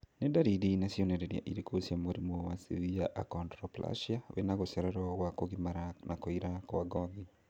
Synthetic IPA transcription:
nɛdaɾidinasjɔnɛɾɛɾja̰ʔiɾekʰosjamoɾimɔwasḭviaʔa̰kɔndɾɔpla̰ʃjawḛnaɣosɛɾɛɾɔwakoɡimaɾanʔakɔiɾakɔwaɡɔɡi

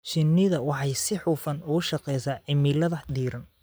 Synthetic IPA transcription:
ʃɪnːɪðɐwɑħɑjsɪħuːfɐnʊɣʊʃɑqɛjsɐːʕɪmiːlɐðɐd̪iːɾɐn

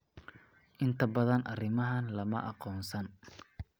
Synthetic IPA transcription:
ʔɪnt̪ʰɐbɐðɐnʔɐrɪmɐɦɐnlɐmɐ̰ʔɑqɔːnsɐn

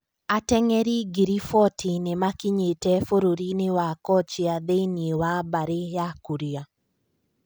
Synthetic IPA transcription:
atɛŋɛɾiɡiɾifɔtʰinemakiɲetɛfoɾoɾinɪwakɔt͡ʃiaðeiniewabaɾejakuɾia

